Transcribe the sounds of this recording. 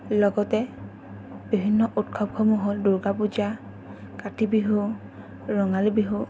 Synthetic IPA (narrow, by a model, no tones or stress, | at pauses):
lɔɡɔtɛ | bibʱinːɔʔutkʰɔb̚kʰɔmuɦolduɹɡapud͡ʒa | katibiɦu | ɹɔŋalibiɦu